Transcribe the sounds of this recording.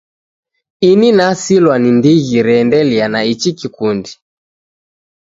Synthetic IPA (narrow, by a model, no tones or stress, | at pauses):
ininasilwanindiɣiɾɛndɛlianait͡ʃikikundi